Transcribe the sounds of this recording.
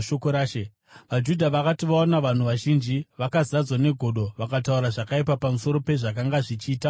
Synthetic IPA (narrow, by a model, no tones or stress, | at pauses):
ʃokoɾaːʃe | ʋad͡ʒudʱaʋakatiʋaonaʋan̤uʋaʒind͡ʒiʋakazad͡zwane̞ɡʱo̞ɗo̞ʋakatauɾaʐakaipapamuso̞ɾo̞pe̞ʐakaŋɡaʐit͡ʃiːta